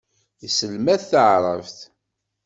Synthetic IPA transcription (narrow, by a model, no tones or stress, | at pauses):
isəlmæθθəʕɾˤə̰vθ